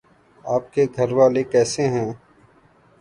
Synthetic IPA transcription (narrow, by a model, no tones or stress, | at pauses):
aːp̚keɡ̪ʱɐɾwaːlekɛːseɦɛ̃ː